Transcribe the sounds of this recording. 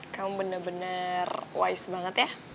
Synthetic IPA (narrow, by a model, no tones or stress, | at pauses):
kamubənərbənərwa̰ɪsbaŋət̪ja